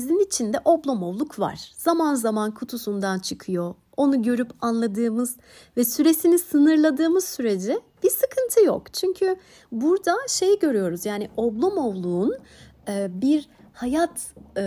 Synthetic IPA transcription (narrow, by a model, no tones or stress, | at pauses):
zinit͡ʃʰind̪ɛʔo̞blˠomo̞vlˠukva̰ɾ̥z̥amanzamankʰut̪ʰusund̪ant͡ʃʰɯkʰɯjo̞ | onuɟø̞ɾypanlˠad̪ɯːmɯz | vɛsyɾe̞sinisɯnɯɾlˠad̪ɯːmɯzsyɾe̞d͡ʒɛ | b̥isɯkʰɯnt̪ʰɯjo̰kt͡ʃʰyɲcʰy | buɾd̪aʃe̞jiɟø̞ɾyjo̞ɾuzjaːniʔoblˠomo̞vlˠuːnː | biɾ | hajat̪